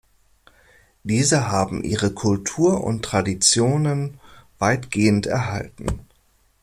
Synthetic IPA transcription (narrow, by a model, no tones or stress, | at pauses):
d̥iːzəɦaːbm̩ʔḭːʁəkʰʊltʰuːɐʔʊ̰ntːʁ̥adit͡sjoːnənv̥aɪtɡ̥eːəntɛɐɦa̰ltn̩